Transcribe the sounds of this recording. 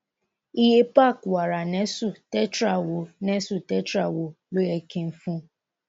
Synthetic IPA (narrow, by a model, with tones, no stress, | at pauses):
i˦je˦pa˦˨kwa˨ɾa˨nɛ˦su˦˨tɛ˦tɾa˨wo˨nɛ˦su˦˨tɛ˦tɾa˦˨wo˨lo˦jɛ˨kẽ˨n̩˨fũ˦